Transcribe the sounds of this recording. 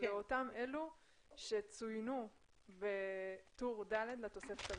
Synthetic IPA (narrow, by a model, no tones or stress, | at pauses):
leo̞tamʔe̞lu | ʃe̞t͡sujnu | bet̪uʁd̪aled̪lat̪o̞se̞fet̪a